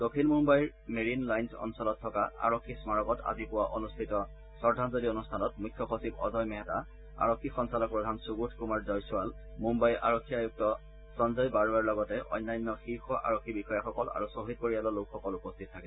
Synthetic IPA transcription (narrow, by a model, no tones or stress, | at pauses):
d̥okʰilmumbajɹ | meɹinlajnsɔ̰nsɔlɔtʰːɔkaa̰ɹokʰːismaɹɔkɔtʰa̰zipʊwaʔonustʰitɔ | sɔɹdʱanzodionustʰanɔtmujkʰːjɔxosibɔ̰zɔjmɛɦɛta | a̰ɹɔkʰːixɔnsalɔk̚pɹɔdʱansuɡutʰkumaɹzɔjsʊwal | mumbajʔa̰ɹokʰːiajuk̚tɔ | sɔnzɔjbaɹuaɹlɔɡɔtɛʔɔ̰jnːajnːɔxiɹxɔʔa̰ɹokʰːibixɔjaxɔkɔla̰ɹusoɦit̚koɹijalɔlokxɔkɔlupɔstʰit̚ʰːakɛ